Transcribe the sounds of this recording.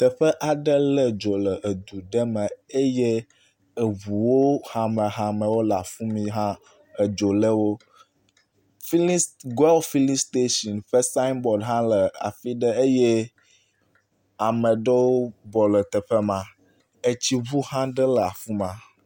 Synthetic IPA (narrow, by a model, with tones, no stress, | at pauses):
t̪ɛ˨ɸɛ˦ʔa˨ɖə˦lə˨d͡ʒo˨lə˨ʔe˨d̪u˨ɖɛ˦mɛ̃˨e˦je˦ | ə˨βu˨wo˦ha˨mɛ̃˨ɦã˨mɛ̃˨wo˦la˨fũ˦mĩ˦ɦã˦ | ə˨d͡ʒo˨lə˦wo˦ | fi˦lɡɛ˦lfi˦li˦st̪e˦ʃɔ˨nɸə˦sa˦nbɔ˨ɖɦã˦lə˨a̰˨fi˦ɖə˦e˦je˦ | a˨mɛ̃˨ɖə˦wo˦bɔ˨lə˨t̪ɛ˨ɸɛ˦mã˨ | e˨t͡ɕi˦βu˦hã˦ɖə˦lə˨a˨fũ˦mã˦